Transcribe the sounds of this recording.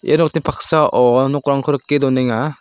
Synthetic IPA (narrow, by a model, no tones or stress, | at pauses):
ʔḛnɔk̚t̪ipʰak̚saʔɔnɔkɾaŋkʰɯɾɯkːed̪ɔnɛŋa